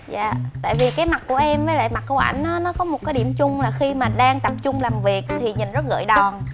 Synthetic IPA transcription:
za̰ː˧˨t̪a̰ː˧˨jvi˨˩kaː˨˦jma˨˩t̚ku˧˩əʔɛ˧mvəː˨˦jla̰ː˧˨jma˨˩t̚ku˧˩əʔa˧jŋ̟nɔ˨˦nɔ˨˦kɔ˨˦mo˨˩t̚kaː˨˦ɗi˧˩əmt͡ɕʊ˧ŋ͡mlaː˨˩xi˧maː˨˩ɗaː˧ŋt̪ə˧p̚t͡ɕʊ˧ŋ͡mlaː˨˩mvi˨˩ək̚t̪ʰi˨˩ɲi˨˩nzə˦˥t̚ɣə̰ː˧˨jɗɔ˨˩n

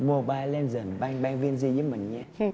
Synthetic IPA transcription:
mo˨˧˩ɓaː˧jlɛ˧nzə˨˩nɓa˧ŋɓa˧ŋvi˧ənzi˧zɨː˨˦mï˨˩ŋɲɛ˧

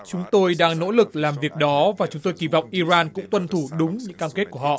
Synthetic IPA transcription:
t͡ɕʊ˨˦ŋ͡mt̪o˧jɗaː˧ŋno̰˧˥lɨ˨˩k̚laː˨˩mvi˨˩ək̚ɗɔ˨˦vaː˨˩t͡ɕʊ˨˦ŋ͡mt̪o˧jki˧˩vɔ̰˧˨wŋ͡mʔi˧zaː˧nkʊ̰˧˥ŋ͡mt̪wə˧˩nt̪ʰu˧˩ɗʊ˨˦ŋ͡mɲɨ̰˧˥ŋkaː˧mke˦˥t̚ku˧˩əhɔ̰˧˨

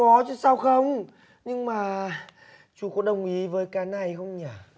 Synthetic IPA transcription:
ɔ˨˦t͡ɕɔ˧˦saː˧wxə˧wŋ͡m | ɲɨ˧ŋmaː˨˩ | t͡ɕu˨˦kɔ˨˦ɗə˨˩wŋ͡mʔi˨˦vəː˨˦jkaː˨˦na˨˩jxə˧wŋ͡mɲaː˧˩

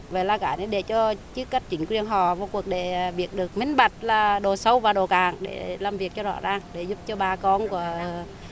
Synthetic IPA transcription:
və˧˨laː˨˩kaː˧˩jna˨˦jɗe˧˩t͡ɕɔ˧t͡ɕɨ˦˥kːa˦˥k̚t͡ɕï˧˩ŋ̟kwi˧˩ənɦɔ̰˧˨vɔ˧˩ku˨˩ək̚ɗe˧˩ɓi˧˦˥ət̚ɗɨ˨˩ək̚mi˨˧˦ŋɓa˨˩jt̟̚laː˨˩ɗo˨˩sə˧wvaː˨˩ɗo˨˩kaː˧˩ŋɗḛ˧˩laː˨˩mvi˨˩ək̚t͡ɕɔ˧zɔ̰˧˨zaː˧ŋɗe˧˩zu˦˥p̚t͡ɕɔ˧ɓaː˨˩kɔ˧˦nku˧˩ə˨

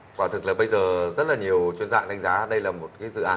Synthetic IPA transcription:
kwaː˨˩t̪ʰɨ˨˩k̚laː˨˩ɓə˧jzəː˨˩zə˦˥t̚laː˨˩ɲi˨˩əwt͡ɕwi˧ənza̰ː˧˨ɗa˨˧˦ŋ̟zaː˨˦˧ɗə˧jlaː˨˩mo˨˩t̚kaː˨˦jzɨ̰˧˨ʔaː˨˦

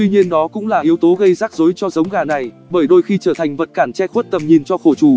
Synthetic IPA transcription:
t̪wi˧ɲi˧ənɗɔ˨˦kʊ̰˧˥ŋ͡mlaː˨˩ʔi˨˦əwt̪o˨˦ɣə˧jzaː˦˥k̚zo˨˦jt͡ɕɔ˧zə˨˦wŋ͡mɣaː˨˩na˨˩j | ɓəː˧˩jɗo˧jxi˧t͡ɕəː˧˩t̪ʰa˨˩ŋ̟və˨˩t̚kaː˧˩nt͡ɕɛ˧˥xu˦˥t̚t̪ə˨˩mɲi˨˩nt͡ɕɔ˧xo˧˩t͡ɕu˧˩

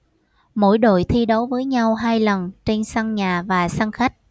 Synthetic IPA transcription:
mo̰˧˥jɗo̰˧˨jt̪ʰi˧ɗə˨˦wvəː˨˦jɲa˧wɦaː˧jlə˨˩nt͡ɕe˧nsa˧ŋɲaː˨˩vaː˨˩sa˧ŋxa˦˥k̚

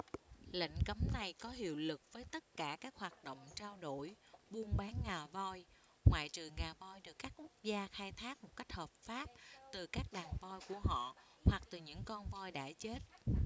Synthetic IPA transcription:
lḭ˧˥˨ŋ̟kə˨˦mna˨˩jkɔ˨˦ɦḭ˧˨əwlɨ˨˩k̚vəː˨˦jt̪ə˦˥t̚kaː˧˩kaː˦˥k̚hwaː˨˩t̚ɗo̰˧˨wŋ͡mt͡ɕaː˧wɗo˧˩jɓu˧ənɓaː˨˦nːaː˨˩vɔ˧j | ŋwa̰ː˧˨jt͡ɕɨ˨˩əŋːaː˨˩vɔ˧jɗɨ˨˩əkːaː˦˥k̚ku˦˥ək̚zaː˧xaː˧jt̪ʰaː˦˥k̚mo˨˩t̚ka˦˥jk̟̚həː˨˩p̚faː˦˥p̚t̪ɨ˨˩kaː˦˥k̚ɗaː˨˩ŋvɔ˧jku˧˩əɦɔ̰˧˨ | hwa˨˩k̚t̪ɨ˨˩ɲɨ̰˧˥ŋkɔ˧nvɔ˧jɗa̰ː˧˩jt͡ɕe˦˥t̚

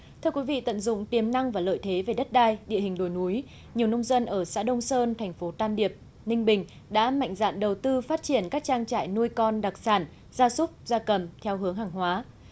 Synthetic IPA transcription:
t̪ʰɨ˧əkwi˨˦vḭ˧˨t̪ə̰˧˨nzʊ̰˧˨ŋ͡mt̪i˨˦əmna˧ŋvaː˨˩lə̰ː˧˨jt̪ʰe˨˦ve˨˩ɗə˦˥t̚ɗaː˧jɗḭ˧˨əhï˨˩ŋ̟ɗo˨˩jnu˨˦j | ɲi˨˩əwnə˧wŋ͡mzə˧nʔəː˧˩sa̰ː˧˥ɗə˧wŋ͡msəː˧nt̪ʰɛ˨˩jŋ̟fo˨˦t̪aː˧mɗi˨˩əp̚ | nï˧ŋ̟ɓï˨˩ŋ̟ | ɗa̰ː˧˥ma̰˧˨jŋ̟za̰ː˧˨nɗə˨˩wt̪ɨ˧faː˦˥t̚t͡ɕi˧˩ənkaː˦˥k̚t͡ɕaː˧ŋt͡ɕa̰ː˧˨jnu˧əjkɔ˧nɗa˨˩k̚saː˧˩n | zaː˧sʊ˦˥k͡p̚zaː˧kə˨˩mt̪ʰɛ˧wɦɨ˨˦əŋɦaː˨˩ŋɦwaː˨˦

